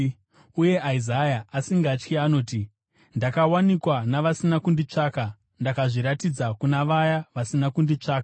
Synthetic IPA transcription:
uje̞ʔaizajaːsiŋɡat͡ʃkiano̞ːti | ndakawanikwanaʋasinakundit͡ʂaːka | ndakaʐiɾatid͡zakunaʋajaʋasinakundit͡ʂaːka

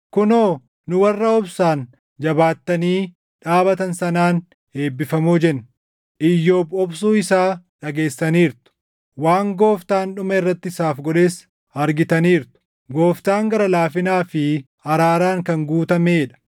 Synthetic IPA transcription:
kʊnoː | nʊwɐrːɐɔbsaːn | d͡ʒɐbaːt̪ːɐniː | ᶑaːbɐt̪ɐnsɐnaːn | eːbːɪfɐmuːd͡ʒɛnː | ʔɪjːo̞ːbɔbsuːɪsaːᶑɐɡe̞ːsːɐniːɾt̪ʊ̥ | waːŋɡo̞ːft̪aːnɗʊmɐɪrːɐt̪ːɪsaːfɡɔᶑe̞ːs | ɐɾɡɪt̪ɐniːɾt̪ʊ̥ | ɡo̞ːft̪aːŋɡɐɾɐlaːfɪnaːfɪ | ɐɾaːɾaːŋkɐŋɡuːt̪ɐmeːᶑɐ̥

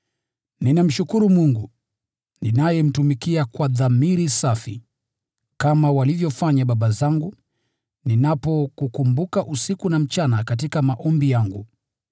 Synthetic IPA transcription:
ninam̩ʃukuɾumuŋɡu | ninajɛm̩tumikiakwaðamiɾisafi | kamawalivjɔfaɲaɓaɓazaŋɡu | ninapɔkukumbukaʔusikunam̩t͡ʃanakatikamaʔɔmbijaŋɡu

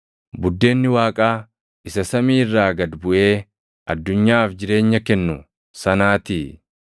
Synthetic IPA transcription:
bʊd̪ːe̞ːnːɪwaːkʼaː | ɪsɐsɐmiːrːaːɡɐd̪bʊʔe̞ː | ʔɐd̪ːʊɲːaːfd͡ʒɪɾe̞ːɲːɐkɛnːʊ | sɐnaːt̪iː

